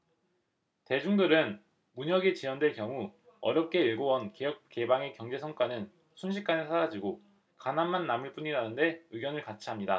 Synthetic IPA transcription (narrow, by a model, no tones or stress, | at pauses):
te̞d͡ʑuŋdɯɾɯn | muɲʌɡet͡ɕijʌndwekjʌŋu | ʌ̰ɾjʌp̚k͈e̞iɭɡowʌnke̞jʌk̚k͈e̞baŋe̞kjʌŋd͡ʑe̞sʰʌŋk͈anɯn | sʰunɕʰik͈anɯsʰaɾad͡ʑiɡo | kanamːanːamɯɭp͈uɲiɾanɯnde̞ɯɡjʌnɯɭkat͡ɕʰiɦamɲida